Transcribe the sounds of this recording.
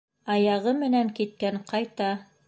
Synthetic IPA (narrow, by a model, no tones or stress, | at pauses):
ɑjɑʁɤmɘ̆næŋkit̪̚kæŋqɑjt̪ɑ